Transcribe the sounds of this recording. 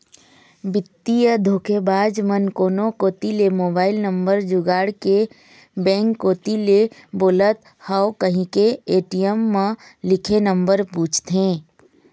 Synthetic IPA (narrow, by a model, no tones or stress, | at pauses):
bɪt̪ːijəd̪ʱoːkʰebaːd͡ʒmənkoːnokoːt̪ilemoːbaːɪlnə̃mbəɾd͡ʒʊɡaːɽke | bɛ̃ːŋkːoːt̪ileboːlət̪ | haokəɦĩkeeːʈijəmːãlɪkʰenəmbəɾpũːt͡ʃʰt̪ɦẽː